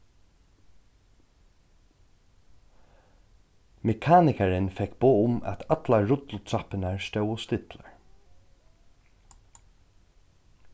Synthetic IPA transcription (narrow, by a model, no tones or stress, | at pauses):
mɛkʰaːnɪkaɹɪnfɛkboːʊmæ̰t̪ʰat̪laɹʊt̪l̩t̪ʰɾapɪnaɹst̪œwɔst̪ɪt̪ləɹ